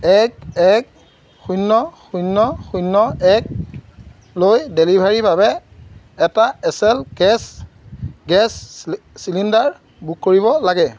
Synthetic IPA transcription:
ɛkɛk | xujnːɔxujnːɔxujnːɔɛk̚ | lojdelibʱaɹibʱabɛː | taɛsɛlɡɛs | ɡɛs | silindaɹ | bukkːoɹiβɔlaɡɛ

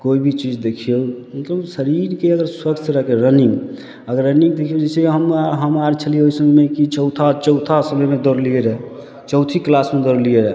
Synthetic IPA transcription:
koibʱit͡ʃid͡ʒd̪ekʰijo | mət̪ləbsəɾiɾkeəɡəɾswət̪ʰɾəɦkeɾəniŋɡ | əɡəɾːəniŋɡd̪ekʰijod͡ʒɛɪseeɦəmɦəmaɾt͡ʃʰəlijeoisəŋɡmekit͡ʃəwt̪ʰat͡ʃəʊt̪ʰasəbɛmed̪ɔɾlieɾɛ | t͡ʃəwt̪ʰiklasmed̪oɾlieɾɛ

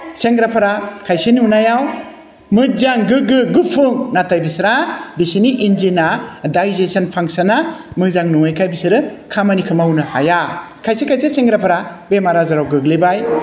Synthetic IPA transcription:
seŋɡɾapʰaɾakʰajseniunajaw | mɯzaŋɡɯɡɯɡɯpʰɯŋnatajbisɾabisiniʔind͡ʒinadajzesanpʰaŋsanamɯzaŋnuŋajkʰajbisɯɾɯkʰamanikʰɯmawnɯha̰ja | kʰajsekʰajseseŋɡɾapʰaɾabemaɾazaɾawɡɯɡlebaj

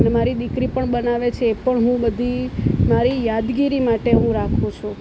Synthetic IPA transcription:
nemaɾid̪ikɾipəɳɓənaʋet͡ʃʰeːpəɳɦũbəd̪ʱimaɾijad̪ɡiɾimaʈeɦũɾakʰot͡ʃʰũ

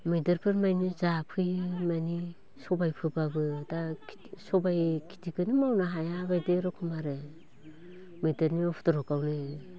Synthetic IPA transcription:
mɯjdeɾpʰɯɾmajnizapʰɯjmani | sobajpʰɯbabɯda | sobajkʰi̥tʰikɯnimawnaɦajaɡajdeɾokʰɯmaɾe | mɯjdeɾniopʰtoɾokawne

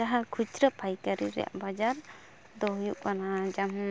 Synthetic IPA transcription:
aɦakʰut͡ʃɾəpʰajkaɾiɾɛ̰ja̰ʔbad͡ʒaɾ | d̪ɔɦujuʔkanad͡ʒam

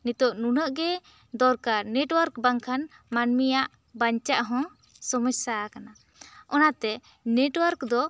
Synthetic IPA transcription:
nit̪ɔʔnunəʔɡɛ | d̪ɔɾkaɾnɛʈwəɾkbaŋkʰan | manmijaʔ | baɲt͡ʃaʔɦɔ̃ | sɔmɔsakana | ɔnat̪ɛ | nɛʈwəɾkd̪ɔ

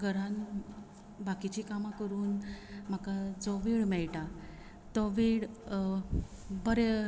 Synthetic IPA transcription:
ɡʱəɾan | bakit͡ɕiːkamakəɾuːnm̤akad͡zɔʋiɭmɛɭʈa | t̪ɔʋiɭ | bəɾe

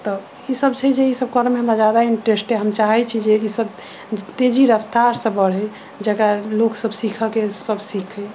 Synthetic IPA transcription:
t̪ɔ | isəbt͡ʃʰɛd͡ʒeisəb̚kəɾmeɦəmɾad͡ʒjad̪aiɳʈɾesʈeɦəmt͡ʃaɦɛt͡ʃʰid͡ʒeisəb | t̪ed͡ʒiɾəpt̪aɾsə̃bəɽ̤ɛ | d͡ʒekɾaloksəbsikʰəkesəbsikʰɛ

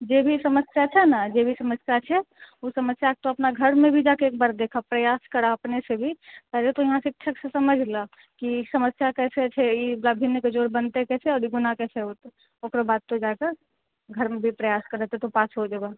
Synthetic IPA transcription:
d͡ʒeːbʱisɐməsjat͡ʃʰɛnad͡ʒebʱisəməsjat͡ʃʰɛ | osəməsjaːk̚t̪oɐpnaɡʱəɾmẽbʱid͡ʒaːkeeːk̚baːɾd̪eːkʰapɾɐjaːskəɾaɐpnesebʱipɛɦlet̪ojɐɦãsɪkʃʰəksesɐməd͡ʒʱla | kisəməsjakɛːset͡ʃʰɛiblabʱinːked͡ʒoːɾbənt̪eɦɛkɛːseɔːɾiɡʊnakɛːseɦot̪e | oːkɾəbaːd̪̚t̪od͡ʒaːkəɾ | ɡʱəɾmẽbʱipɾəjaːskəɾɛt̪et̪opaːsɦod͡ʒəɡa

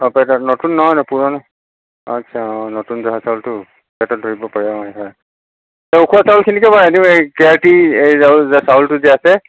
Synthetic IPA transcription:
ɔ̃pɛtɔtnotunːɔɦɔjnɔpuɹɔnɔ | ɔ̰tːʃʰaɔ̃notunzɔɦasawltʊ | pɛtɔt̚dʱoɹibɔpaɹiamɔjɦɔj | taukʰuasaʊlkʰinikɛbaadĩekɛaɹtiejzawzasawltʊzɛasɛ

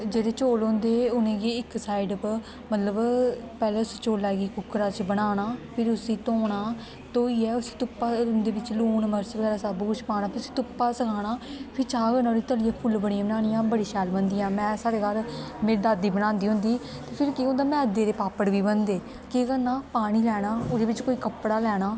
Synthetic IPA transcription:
d͡ʒeːd̪eːt͡ʃoːlõnd̪eːʊnẽːɡeːɪksaːiɖp | mət̪ləbpɛːleːʊst͡ʃoːlːɛːɡiːkʊkɾaːt͡ʃbəɽaːnaːpʰɪɾʊsiːt̪oːɳaː | t̪oːiːɛːʊsi̥ːt̪ʊpːaːnd̪eːbɪt͡ʃluːnməɾt͡ʃkɛːɾaːsabkʊt͡ʃʰpaːñaːpʰɪɾʊsi̥ːt̪ʊpːaːsəkʰaːɽaːpʰɪɾt͡ʃãːɡənaːɾiːt̪əlijãːpʰʊlbəɽiãːbənaːnɪjãːbəɽiːʃɛːlbənd̪iːjãːmɛ̃ːsaːɽeːɡəlmeːɾid̪aːd̪iːbəñãːnd̪iːɦʊ̃nd̪iː | t̪eːpʰɪɾkiːɦõnd̪aːmɛ̃ːəd̪eːɾeːpaːpəɽʋiːbənd̪eː | keːkənaːpaːɽ̃iːlɛːɽ̃aːʊd̪eːʋɪt͡ʃkoːiːkəpɽaːlɛːɽaː

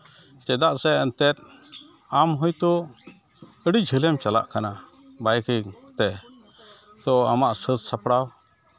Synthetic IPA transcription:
t͡ʃɛd̪aʔsɛənt̪ɛt̪̚ | amɦɔjt̪ɔ | əɽid͡ʒʱəlɛmt͡ʃala̰ʔkana | bajkiŋt̪ɛ | t̪ɔamaʔsət̪sapɽaw

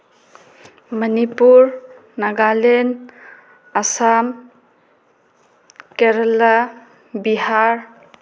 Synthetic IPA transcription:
mɐnipuɾ | naɡalen | asam | keɾala | biɦaɾ

